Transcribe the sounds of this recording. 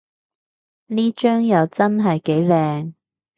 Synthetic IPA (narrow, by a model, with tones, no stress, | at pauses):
niː˥t͡ʃœː˥ŋjɐ˨˧wt͡sɐ˥nɦɐ˨jke˨˥jlɛː˧ŋ